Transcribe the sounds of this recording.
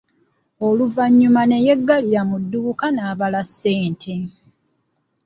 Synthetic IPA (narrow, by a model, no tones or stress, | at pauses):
oluvaɲːumane̞jeɡːaliɾamudːuːkanaːβalasːe̞ːntʰe̞